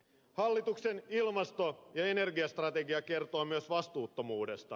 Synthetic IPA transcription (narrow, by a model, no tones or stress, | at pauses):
hɑlːit̪ukse̞nilmɑst̪ojɑene̞rɡiɑst̪rɑt̪e̞ɡiɑke̞rt̪oːmyøsʋɑst̪uːt̪ːo̞muːdest̪ɑ